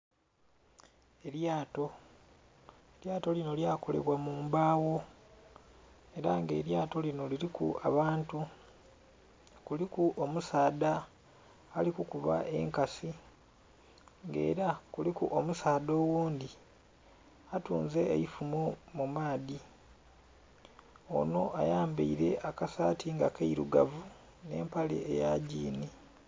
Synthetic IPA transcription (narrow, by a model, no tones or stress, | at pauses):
e̞ɾjaːto̞ | eljaːto̞lino̞ljaːko̞le̞̰βwamuːmbaːwo̞ | e̞ɾaŋɡe̞ːɾjaːto̞lino̞liɾikṵa̰βaːntu | kulikuʔomusaːd̪aː | likukuβa̰ʔe̞̰ŋkasi | ŋɡe̞̰ːɾakulikuʔomusaːd̪o̞ːwuːnd̪i | atuːnzḛːjifumomumaːdi | o̞̰no̞ʔajaːmbḛiɾe̞̰ʔakasaːtiŋɡa̰kaiɾṵɡa̰vu | ne̞̰ːmpale̞̰ːjaɟiːni